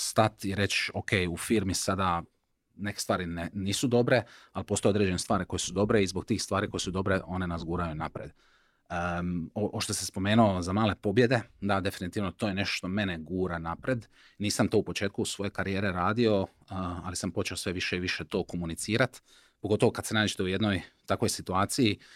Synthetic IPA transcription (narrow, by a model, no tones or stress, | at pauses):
st̪at̪iɾe̞t͡ɕoke̞jufiːɾmisad̪a | ne̞ke̥st̪ʋaːɾineniːsud̪o̞bɾe̞alipost̪oeod̪ɾed͡ʑe̞nest̪ʋaːɾiko̞je̞sud̪o̞bɾe̞izbo̞ɡ̚t̪iːxst̪ʋaːɾiko̞je̞sud̪o̞bɾe̞ʔo̞nenazɡuːɾajunapɾḛd̪ | oʔoʃt̪osespo̞me̞ːnuozamaːle̞po̞bje̞d̪e̞d̪ad̪e̞finit̪iːʋno̞t̪ojene̞ʃt̪oʃt̪o̞me̞neɡuːɾanapɾe̞d̪ | niːsamt̪o̞ːupo̞t͡ʃe̞ːt̪kusʋo̞je̞kaɾijeːɾeɾaːd̪io̞ | a̰lisampo̞t͡ʃe̞osʋeʋiʃeiʋiʃet̪o̞ːko̞munit̪siːɾat̪ | poɡo̞t̪o̞ʋo̞kad̪̥senaːd͡ʒe̥t̪e̞uje̞d̪no̞jt̪ako̞jsit̪uaːt̪siji